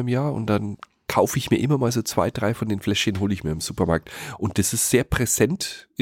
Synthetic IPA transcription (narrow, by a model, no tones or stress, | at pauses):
ɪmjaːɐʊ̰ntd̥an | kʰaʊfəɪçmiːɐʔɪmɐmaːlzoːt͡sv̥a̰ɪd̥ʁaɪfɔndeːnflɛʃçənɦoːləɪçmiːɐɪmz̥uːpɐmaɐk̚tʔʊnt̚d̥asɪstz̥eːɐpʁ̥ɛz̥ɛnt